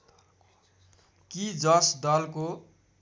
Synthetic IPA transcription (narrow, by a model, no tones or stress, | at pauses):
kid͡zʌsd̪ʌlko